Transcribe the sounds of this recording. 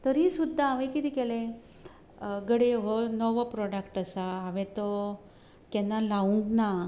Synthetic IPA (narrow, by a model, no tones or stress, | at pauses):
t̪əɾisud̪ʱːaːʋẽkit̪iːkelẽ | ɡəɽeɦɔnɔʋpɾɔɽəkʈəsaaʋẽt̪ɔ | kɛnːalaʋũŋkna